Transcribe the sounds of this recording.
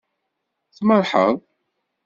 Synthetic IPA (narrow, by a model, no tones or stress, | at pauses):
θməɾˤħə̰ðˤ